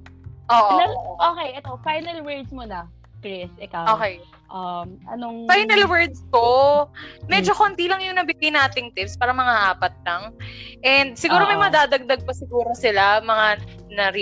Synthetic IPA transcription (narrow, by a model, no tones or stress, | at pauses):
ʔoːʔoɐʔoːkɛjʔɛt̪ofajnɐlwɛɹd̪smonɐ | kɾɪsʔɛkawoːkɛj | ʔɐmʔɐ̰noŋfajnɐlwɛɹd̪̚st̪o | mɛd͡ʒokont̪ilɐŋjʊŋnɐbibinʔaːt̪ɪŋt̪ɪpspaːɾɐmɐŋaʔaːpɐt̪̚lɐŋʔɛnd̪̚sɪɡuːɾomɐjmɐɐd̪aːd̪ɐɡ̚d̪ɐɡ̚pɐsɪɡuːɾosɪlamɐŋa | nɐɾi